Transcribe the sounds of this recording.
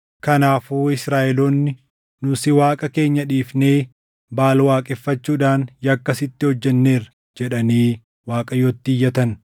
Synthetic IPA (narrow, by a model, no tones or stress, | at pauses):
kɐnaːfuːɪsɾaːʔɛloːnːɪ | nʊsɪwaːkʼɐke̞ːɲːɐᶑiːfne̞ː | baːlwaːkʼɛfːɐt͡ʃːuːᶑaːnjɐkːɐsɪt̪ːɪhɔd͡ʒːɛnːe̞ːɾ | d͡ʒɛᶑɐniː | waːkʼɐjoːt̪ːiːjːɐt̪ɐn